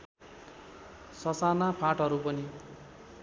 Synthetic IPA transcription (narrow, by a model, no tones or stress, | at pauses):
sʌsanapʰãʈɦʌɾupʌni